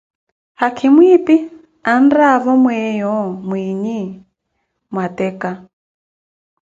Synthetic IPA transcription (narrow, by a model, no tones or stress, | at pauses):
hakʰimwipi | andaβɔmwɛjɔmwiɲi | mwatɛka